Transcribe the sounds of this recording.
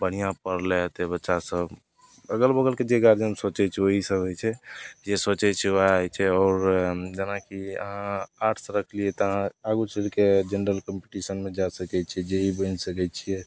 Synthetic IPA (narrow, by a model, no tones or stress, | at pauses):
bəɽ̤ijãpəɾleɦt̪ebətːʃasəb | əɡəlbəɡəlked͡ʒeɡaɾd͡ʒənsot͡ʃɛt͡ʃʰɛoɦisəbət͡ʃʰɛd͡ʒesot͡ʃɛt͡ʃʰɛaaɦojt͡ʃʰɛɔːɾd͡ʒənakiə̰ɦãaɾʈʰsə̃ɾəkʰliɛt̪ɔəɦãaɡut͡ʃʰelked͡ʒenɾəlkəmpiʈisənmed͡ʒasəkɛt͡ʃʰiɛd͡ʒeɦibənsəkɛt͡ʃʰijɛ